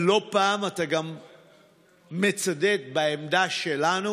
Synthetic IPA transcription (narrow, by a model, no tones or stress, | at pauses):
lo̞paːmat̪aɡam | e̞t͡sad̪e̞t̪̚baemd̪aʃelanu